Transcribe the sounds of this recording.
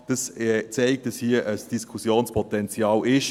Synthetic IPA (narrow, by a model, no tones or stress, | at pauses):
d̥ɑsɛt͡sɛɪk̚t̚d̥ɑshiəʔəsd̥iskʰusjoːnspʰɔtɛnt͡sjɑːlɪʃ